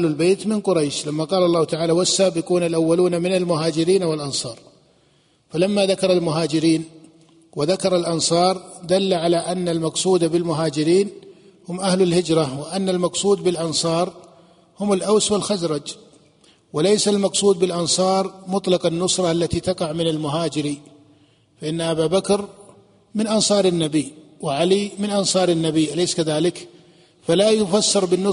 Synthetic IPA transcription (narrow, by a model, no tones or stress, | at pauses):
lalbeːt̪mɪnqʊɾˤajʃlamːaqɑːlɑlːɑːhʊt̪aʕaːlawasːaːbɪquːnalʔawːaluːnamɪnalmʊɦaːd͡ʒɪɾiːnawɪlʔɑnsˤɑːɾˤ | falamːaðakɑɾˤɑlmʊɦaːd͡ʒɪɾiːn | wɪðakɑɾˤɑlʔɑnsˤɑːɾˤd̪alːaʕalaʔanːalmɑqsˤuːd̪abɪlmʊɦaːd͡ʒɪɾiːn | hʊmʔahlalhɪd͡ʒɾˤawɪʔanːalmɑqsˤuːd̪bɪlʔɑnsˤɑːɾˤ | hʊmalʔawswalxazɾˤɑd͡ʒ | wɪlajsalmɑqsˤuːd̪̚bɪlʔɑnsˤɑːɾˤmʊt̪ˤlɑqɑnːʊsˤɾˤɑʔalːat̪it̪ɑqɑʕmɪnalmʊɦaːd͡ʒɪɾi | faʔɪnːaʔabaːbakɾ | mɪnʔɑnsˤɑːɾˤanːabiwɪʕalimɪnʔɑnsˤɑːɾˤɪnːabiʔalajskaðaːlɪk | falajʊfasːɑɾˤbɪnːʊ